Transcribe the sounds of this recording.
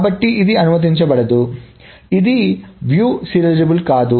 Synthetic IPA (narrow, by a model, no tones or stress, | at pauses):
bɐʈːiʔid̪iɐnumɐt̪̬iɲt͡ʃɐbɐɽɐd̪u | id̪iʋjuːsiɾɐld͡ʒɐbulkaːd̪u